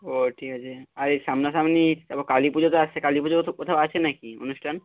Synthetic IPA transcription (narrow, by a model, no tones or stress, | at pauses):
oʈʰikat͡ɕʰeaɾeʃamnasamnit̪abokalipud͡ʑot̪oaekalipud͡ʑokot̪ʰaat͡ɕʰenakio̰nuʃʈʰan